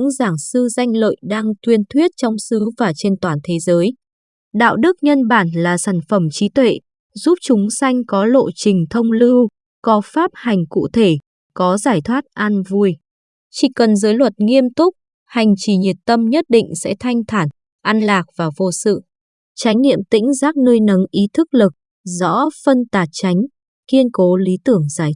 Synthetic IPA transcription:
ɨ̰˧˥ŋzaː˧˩ŋsɨ˧za˧jŋ̟lə̰˧˨jɗaː˧ŋt̪wi˧ənt̪ʰwi˦˥ət̚t͡ɕɔ˧wŋ͡msɨ˨˦vaː˨˩t͡ɕe˧nt̪waː˨˩nt̪ʰe˨˦zəː˨˦j | ɗa̰ː˧˨wɗɨ˦˥k̚ɲə˧nɓaː˧˩nlaː˨˩saː˧˩ŋ̟fə˧˩mt͡ɕi˨˦t̪wḛ˧˨ | zu˦˥p̚t͡ɕʊ˨˦ŋ͡msa˧jŋ̟kɔ˨˦lo̰˧˨t͡ɕï˨˩ŋ̟t̪ʰə˧wŋ͡mlɨ˧w | kɔ˨˦faː˦˥p̚ha˨˩jŋ̟kṵ˧˨t̪ʰe˧˩ | kɔ˨˦zaː˧˩jt̪ʰwaː˦˥t̚ʔaː˧nvu˧əj | t͡ɕi˧˩kə˨˩nzəː˨˦jlwə˨˩t̚ŋi˧əmt̪ʊ˦˥k͡p̚ | ha˨˩jŋ̟t͡ɕi˨˩ɲi˨˩t̚t̪ə˧mɲə˦˥t̚ɗḭ˧˨ŋ̟sɛ̰˧˥t̪ʰa˧jŋ̟t̪ʰaː˧˩n | ʔa˧nlaː˨˩k̚v̥aː˨˩vo˧sɨ̰˧˨ | t͡ɕa˨˦jŋ̟nḭ˧˨əmt̪ḭ̈˧˥ŋ̟zaː˦˥k̚nəː˧jnə˨˦nʔi˨˦t̪ʰɨ˦˥k̚lɨ˨˩k̚ | zɔ̰˧˥fə˧nt̪aː˨˩t̚t͡ɕa˨˦jŋ̟ | ki˧ənko˨˦li˨˦t̪ɨ˧˩əŋzaː˧˩j

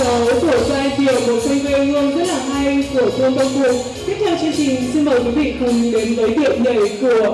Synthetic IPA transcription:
ə˨˦wku˧˩əzwaː˧jki˨˩əwmo˨˩t̚tə˧ŋve˧ŋɨ˧ənzə˦˥t̚laː˨˩ɦa˧jku˧˩ət̪ʰu˧ənt̪ə˧wŋ͡mfu˨˩ək̚ | t̪i˦˥k̚t̪ʰwt͡ɕɨ˧əŋt͡ɕi˨˩ŋsi˧nməː˨˩jkwi˨˦vḭ˧˨xə˨˩˦ŋ͡mɗ̪e˨˦nvəː˨˦jɗḭ˧˨əwɲə̰˧˨jku˧˩ə

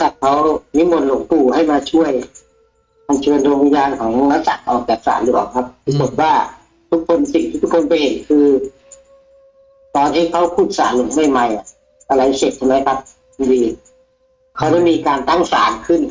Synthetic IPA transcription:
sa˧˩t̪̚kʰa˦˥wni˦˥mo˧nlo˨˦ŋp̪uː˧˩ha˥˩jmaː˧t͡ɕʰu˥˩əj | ma˧˩nt͡ɕʰɤ˧əndoː˧ŋ˧jaː˧nkʰɔː˩˦ŋla˦˥sa˨˩k̚ʔɔː˨˩k̚bɛː˨˩k̚sa̰ː˩˦ndɯ˦˧˩a̰ː˨˩kʰa˦˥p̚pi˧˥ko˨˩t̪̚waː˥˩ | t̪ʰu˦˥kʰːo˧nsi˨˩ŋt̪ʰiː˦˥˩t̪ʰu˦˥kʰo˧npa˧jhe˨˩˦nkʰɯː˧ | t̪ɔː˧nt̪ʰiː˥˩kʰa˦˥wpʰuː˥˩t̪̚saː˨˩˦nlo˨˩˦ŋma˥˩jma˧jʔa˨˩ | t̪a˧la˨˦jse˨˩t̪̚t͡ɕʰa˧ma˦˥jkʰa˦˥p̚ʰ | u˧ndiː˧ | kʰa˦˥wdɛ˧˥˩jmiː˧kaː˧nt̪a˥˩ŋsa̰ː˩˦nkʰɯ˥˩n

